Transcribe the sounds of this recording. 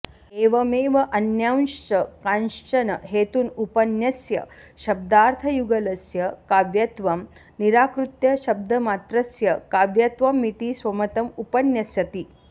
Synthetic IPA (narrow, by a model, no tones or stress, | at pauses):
eːʋɐmeːʋɐʔɐnjawnʂt͡ʃɐkanʂt͡ʃɐnɐɦeːt̪uːnupɐnjɐsjɐ̰ʃɐb̚d̪aːɾt̪ʰɐjuɡɐlɐsjɐkaʋjɐt̪ʋɐm | niɾaːkɾut̪jɐɕɐb̚d̪ʱɐmaːt̪ɾɐsjɐkaːʋjɐt̪ʋɐmːit̪iːsʋɐmɐt̪ɐmupɐnjɐsjɐt̪i